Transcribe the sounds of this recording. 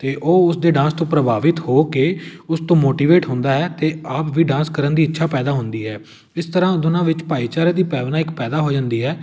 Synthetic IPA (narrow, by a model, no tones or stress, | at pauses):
t̪eːʔoːʊsd̪eːɖãːnst̪õːpɾəbaːʋɪt̪hoːkeːʊst̪õːmoːʈiːʋeːʈɦʊ̃nd̪aːɛːt̪eːaːpʋiːɖãːnskəɾənd̪iːɪtːʃʰaːpɛːd̪aːɦʊ̃nd̪iːɦɛː | ɪst̪əɾãːd̪ʊnãːʋɪt͡ʃpaːiːt͡ʃaːɾaːd̪iːpɛːʋnãːɪkpɛːd̪aːɦoːd͡ʒãːnd̪iːɦɛː